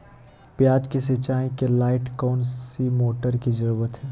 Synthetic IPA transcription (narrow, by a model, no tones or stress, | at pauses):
pjaːd͡ʒkiset͡ʃaːĩkelaːɪʈkɔːnsimoːʈəɾkid͡ʒɐɾuːʋət̪ɦɛː